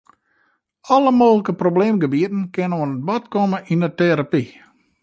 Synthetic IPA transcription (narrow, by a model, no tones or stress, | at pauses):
ɔləmoːɣləkəprobleːmɡəbiətn̩kɪnənonət̚bɔtkɔməʔinəteɾapi